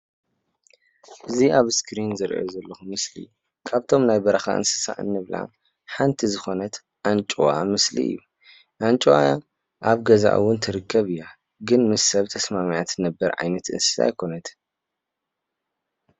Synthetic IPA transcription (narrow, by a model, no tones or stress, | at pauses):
ʔɨziaβskʰɾinzɨɾ̰ozɐlːɐxumɨslḭju | kʰaβt̪ʰo̞mnajbɐɾɐxa̰ʔɨ̰nsɨ̥sa̰ʔɨ̰nːɨβla̰m | ħant̪ʰizɨxo̞nɐt̪ | ʔant͡ʃʼuwamɨslḭʔɨ̰jːu | ʔant͡ʃʼuwa | ʔaβɡɐza̰ʔɨ̰wʊnt̪ʰɨɾɨkʰːɐβɨjːa | ɡɨnmɨɐβt̪ʰɐsmamijat̪nɐbːɐɾʕa̰jmɐt̪ʔɨ̰nsɨ̥sa̰jkʰo̞nɐt̪